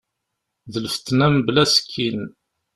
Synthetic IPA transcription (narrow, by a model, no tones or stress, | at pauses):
ðələft̪ːnæmblæsə̥kʰːin